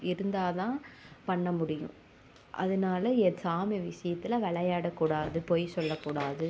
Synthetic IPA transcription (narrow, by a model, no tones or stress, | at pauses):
ɪɾɯnd̪aːt̪ãːpɐɳːɐmʊɽɪjʊ̰̃ | ʔɐ̰ðɯnaːlɐɛsaːmɛʋɪsɐjɐt̪ːɪlɐʋɛɭɐjaːɽɐkːuːɽaːðɯpoːjsɔlːɐkːuːɽaːðɯ